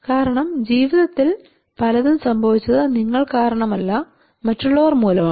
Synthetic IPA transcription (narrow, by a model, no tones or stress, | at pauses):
kaːɾɐɳɐmd͡ʑiːʋiðɐt̪ːil | pɐlɐðunsɐmbʱɐʋit͡ɕːɐðɨniŋːɐɭkaːɾɐɳɐmɐlːɐ | mɐtːuɭːɐʋɐrmuːlɐmaː